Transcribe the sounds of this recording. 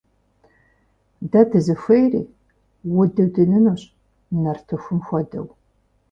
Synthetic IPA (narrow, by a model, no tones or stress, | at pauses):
dɐdʰɨzɨfɐjrḭː | wʊdɨwdɨnɨnuɕʼ | nɐrtʰɨxʷʊmxʷɔdɐ̰w